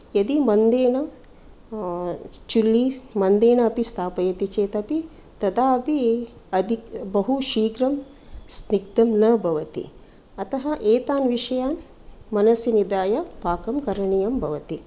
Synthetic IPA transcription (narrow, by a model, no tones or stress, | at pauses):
jɐd̪imɐnd̪eːɳɐ | t͡ʃulːimɐnd̪eːɳɐːpist̪ʰaːpɐjɐt̪it͡ʃeːt̪ɐpi | t̪ɐd̪aːɐpiɐd̪ʱikbɐɦuʃiːɡɾɐm | sniɡd̪ɐmnɐbʱɐʋɐt̪ḭ | ɐt̪ɐɦɐʔeːt̪aːnʋiʂɐjaːn | mɐnɐsinid̪aːjɐpaːkɐmkɐɾɐɳijɐmbʱɐʋɐt̪i